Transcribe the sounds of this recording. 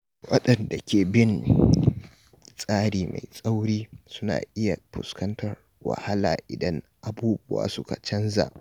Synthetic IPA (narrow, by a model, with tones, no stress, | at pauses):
wɐ̰˦ɗɐ˨nda˨kʲʰeː˨bɪ˦n | sʼaː˦ɽiː˨ma˨jsʼa˦wɽiː˦sʊ˦na̰ː˨ʔɪ˦ja˨ɸʊ̰˨skɐ˦ntʰɐ˨r | wɐ̰˨ha˦laː˨ʔɪ˨dɐ˦ŋ | ʔa˨buː˦bʊ˦wa̰ː˨sʊ˦ka˨t͡ʃɐ˦nza̰˨ʔ